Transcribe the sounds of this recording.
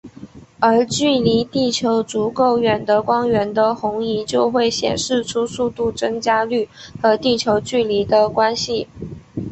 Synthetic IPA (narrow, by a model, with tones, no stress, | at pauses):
ə˞˧˥t͡ɕy˥˩li˧˥t̪i˥˩t͡ɕʰjo˧˥ʊt͡su˧˥ko˥˩ʊɥɛ˨˩nd̪ə˦kwɑ˥ŋɥɛ˧˥nd̪ə˧xʊ˧˥ŋi˧˥t͡ɕjo˥˧ʊxwe˥˩ɪɕjɛ̰˨˩nʂɻ̩˥˩ʈ͡ʂʰu˥su˥˧t̪u˥˩t͡sɤ˥ŋt͡ɕja˥ly˥˩xɤ˧˥t̪i˥˩t͡ɕʰjo˧˥ʊt͡ɕy˥˩li˧˥d̪ə˧kwa˥nɕi˨